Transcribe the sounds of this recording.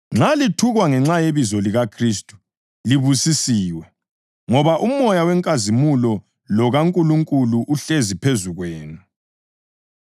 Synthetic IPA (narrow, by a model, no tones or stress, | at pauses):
ŋ͡ǁalitʰuɣwaŋɛŋ͡ǁajeβizɔliɣakʰristʼu̥ | liβusisiːwɛ | ŋɔβaʔumɔjawɛŋkʼazimulɔ | lɔɣaŋkʼuluŋkʼuluʔuɬezipʰezuɣweːnu